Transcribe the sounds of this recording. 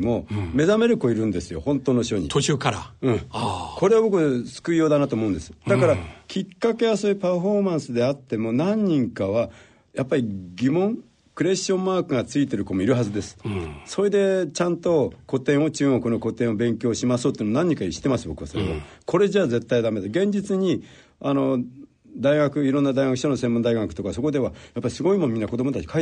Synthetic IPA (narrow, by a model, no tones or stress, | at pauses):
mo̞me̞zame̞ɾɯ̟ko̞iɾɯ̟̃nd̪e̞sɨjo̞̰hõ̞nt̪o̞ːno̞ɕo̞ɲ̟ḭt̪oɨːkaɾaɯ̟̃ko̞ɾe̞abo̞kɯ̟sɨ̥kɯijo̞ːd̪anat̪oːmo̞ɯ̟̃nd̪e̞sɨ̥d̪akaɾakʲikːake̞βaso̞ːjɯ̟paɸo̞mãɰ̃sɨd̪e̞at̪ːe̞mo̞nãɲ̟ːĩŋkaβa | japːaɾʲiɡʲimõ̞ŋ | kɯ̟ɾe̞ɕõ̞mːaːkɯ̟ŋat͡sɨit̪e̞ɾɯ̟ko̞moiɾɯ̟ɦazɨd̪e̞sɨ̥so̞ɾe̞d̪e̞t͡ɕãnt̪o̞ko̞t̪ẽ̞ɰ̃o̞t͡ɕɨːɡo̞kɯno̞ko̞t̪ẽo̞bẽ̞ŋkʲo̞ːɕimasoːt̪oiːnomonãɲ̟ːĩŋkaiɕi̥t̪e̞masɨbo̞kɯ̟βasoɾḛβa̰ko̞ɾe̞d͡ʑaːd͡ze̞t̪ːaid̪ame̞d̪aɡẽ̞ɲ̟d͡ʑit͡sɨɲ̟i | ano̞ | d̪aiɡakɯ̟iɾõnːad̪aiɡakɯ̟ɕono̞semːõnd̪aiɡakɯ̟t̪o̞kaso̞ko̞d̪e̞βajapːaɾʲisɨɡo̞imo̞nmʲĩnːako̞d̪o̞mot̪at͡ɕi̥kʰai